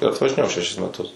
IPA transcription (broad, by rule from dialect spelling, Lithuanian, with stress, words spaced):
ɪr ɐtʋɐʒʲɪˈnʲeːjɛʊ ʃʲɛˈʃʲɪs mʲɛˈtʊs